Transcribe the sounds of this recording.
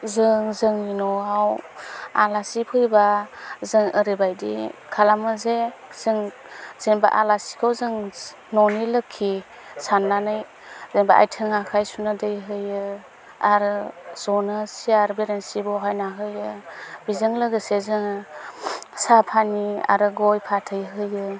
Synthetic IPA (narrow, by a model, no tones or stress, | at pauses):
zɯŋzɯŋinɔawalasipʰɯjbazɯŋɯɾibajdḭkʰalamɯzez̥ɯŋ | z̥eŋba̰ʔa̰lasi̥kʰawzɯŋ | nɔnilɯkʰːi | sanːanɯj | zeŋba̰ʔa̰jtʰɯŋakʰajsunɯdɯjɦɯjɯ | aɾɯz̥ɔnɯsiaɾbeɾensibɔɦajnaɦɯjɯbizɯŋlɯɡɯsezɯŋ | sapʰania̰ɾɯɡɔjpʰatʰɯjɦɯjɯ